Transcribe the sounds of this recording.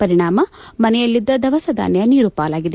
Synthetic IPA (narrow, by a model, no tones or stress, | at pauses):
pɐɾiɳaːmɐmɐnɛjɐlːid̪ːɐd̪ɐʋɐsɐd̪ʱa̰ːnjɐniːɾuːpaːlaːɡid̪e